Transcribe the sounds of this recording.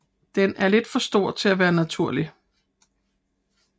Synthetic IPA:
d̥enæɐle̝d̥fɒ̽sd̥o̝ɐ̰̥t͡sʰe̝læʋæːɐnæt͡sʰuɐ̰li

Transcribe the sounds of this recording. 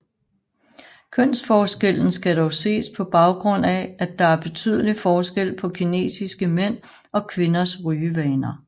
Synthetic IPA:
kʰœn̰sfɒːsɡ̥el̰n̩sɡ̥æɾɒʊse̝̰ːspʰɒ̽b̥ɑ̈ʊɡ̥ʁɔ̽n̰ææd̥ɑ̈æɐb̥e̝t͡sʰy̰ð̞̰ˠəlifɒːsɡ̥el̰pʰɒ̽kʰine̝̰ːsisɡ̥əmen̰ | ɒ̽kʰʋe̝nɐsʁyːəʋɛːnɐ

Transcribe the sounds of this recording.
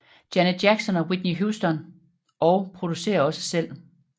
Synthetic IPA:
d̥jænədjæɡ̥sɒ̽nɒwid̥niɦusd̥ɒ̽n | ɒʊpʰʁo̝d̥use̝̰ːɐɒ̽sə̥sel̰

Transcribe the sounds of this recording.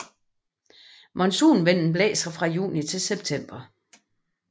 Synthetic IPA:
mɒ̽nsuːnʋen̰n̩b̥lɛ̰ːsɐfʁɑ̈jṵːnit͡sʰe̝lseb̥̚t͡sʰem̰b̥ɐ

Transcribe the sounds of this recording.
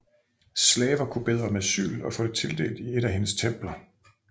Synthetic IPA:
slɛːʋɐkʰub̥e̝ð̞ˠʁɐmæsy̰ːlɒ̽fɔ̽ːd̥e̝t͡sʰe̝ld̥e̝̰ːld̥ie̝ɾ̥æɦe̝nəst͡sʰem̰b̥lɐ

